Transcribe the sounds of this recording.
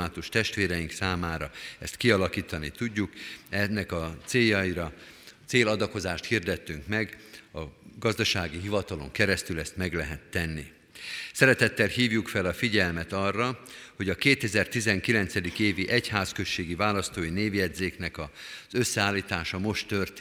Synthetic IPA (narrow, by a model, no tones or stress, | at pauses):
aːt̪uʃt̪ɛʃt̪ʋeːɾɛiŋksaːmaːɾɒɛ̰st̪kiɒlɒkiːt̪ɒnit̪uɟːukɛnːɛkɒt̪seːjːɒiɾɒ | t̪seːlɒd̪ɒko̞zaːʃt̪hiːrd̪ɛt̪ːyŋkmɛɡɒɡɒzd̪ɒʃaːɡiɦivɒt̪ɒlo̞̰ŋkɛɾɛst̪ylɛst̪mɛɡlɛɦɛt̪ːɛnːi | sɛɾɛt̪ɛt̪ːɛlhiːvjukfɛlɒfiɟɛlmɛt̪ɒrːɒho̞ɟɒkeːt̪ɛzɛrt̪izɛŋkilɛnt̪sɛd̪ikeːviʔɛchaːskø̞ʃːeːɡivaːlɒst̪oːineːvjɛd̪zeːknɛkɒzø̞sːɛaːlːiːt̪aːʃɒmo̞ʃt̪ːø̞rt̪ː